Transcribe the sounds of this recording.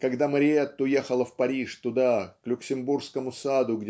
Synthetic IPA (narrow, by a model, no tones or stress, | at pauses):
kɐɡd̪aməɾʲɪet̪ːʊjexəlˠəfpɐɾʲiʂt̪ʊd̪aklʲʊksʲɪmburskəmʊsad̪ʊɡdʲ